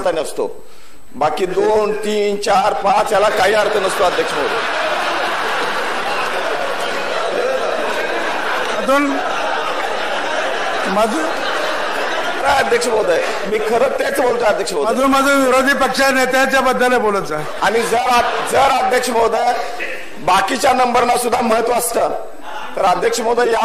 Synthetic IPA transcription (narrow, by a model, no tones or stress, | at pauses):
t̪anəst̪o̰ | bakiːd̪ont̪iːnt͡ɕaɾpat͡sjalakaɦiːaɾt̪ənəst̪oad̪ʱjəkʂməwd̪ə̰ | e | məd̪ʱuːn | məd̪ʱuːn | ɾajəd̪ʱjəkʂəmod̪əj | miːkʰəɾət̪et͡sbolt̪oəd̪ʱjəkʂəmoməd̪uːnməd̪ʱuːnʋiɾod̪ʱiːpəkʂanet̪at͡ɕjabəd̪ːəleboləd͡zə | aɽ̃id͡zəɾad͡zəɾad̪ʱjəkʂəmod̪əj | bakit͡ɕjanəmbəɾnasud̪ʱːaməɦət̪ʋəəst̪əː | t̪əɾəd̪ʱjəkʂəmod̪əjja